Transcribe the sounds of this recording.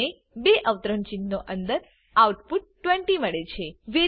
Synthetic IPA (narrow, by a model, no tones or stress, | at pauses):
e | beʔəʋt̪ɾəɳt͡ʃinːoʔənd̪əɾ | auʈpuʈ̚ːʋẽɳʈiməɭet͡ʃʰeʋe